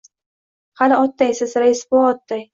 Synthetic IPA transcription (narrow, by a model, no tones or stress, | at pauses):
halɪɒt̪ːajsɪzɾaɪsboɒt̪ːaj